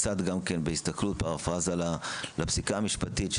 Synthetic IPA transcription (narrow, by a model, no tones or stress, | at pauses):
t͡sat̪ɡamkenbehist̪aklut̪̚paʁafazalalabsikaːmiʃpat̪it̪ʃ